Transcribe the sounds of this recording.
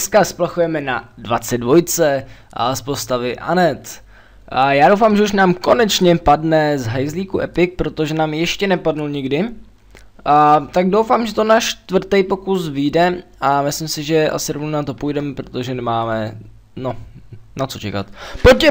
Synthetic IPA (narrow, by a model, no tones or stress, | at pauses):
skasplaxujɛmɛna̰dvat͡sɛdvo̞jt͡sɛ | spo̞st̪avɪʔa̰nɛt̪ | jaːdo̞wfaːmʒɛuʃnaːmko̞nɛt͡ʃɲɛpadnɛzɦajzliːkuʔɛpɪk̚pɾo̞t̪o̞ʒɛnaːmjɛʃcɛnɛpadnulɲɪɡdɪ | t̪aɡdo̞wfaːmʒɛt̪onaːʃt̪vr̩t̪ɛjpo̞kusviːdɛʔamɪslɪmsɪʒɛʔa̰sɪɾo̞vnonat̪o̞pujdɛmɛpɾo̞t̪o̞ʒɛnɛmaːmɛ | no̞nat͡so̞t͡ʃɛka̰t̪pocɛ